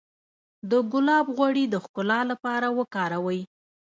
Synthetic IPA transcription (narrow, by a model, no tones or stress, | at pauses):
d̪əɡʊlɑbɣwaɽid̪əxkʊlɑlapɑɾawəkɑɾawəj